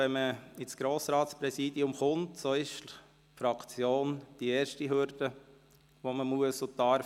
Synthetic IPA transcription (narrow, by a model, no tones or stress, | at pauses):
ɛnməɪsɡ̥ɾoːsɾɑːtspɾɛsiːdiʊmχʊntsoɪʃ | fɾɑkt͡sjoːnd̥iɛːɾʃtiɦʏɾd̥ə | ʋoməmuəsʊtɑɾ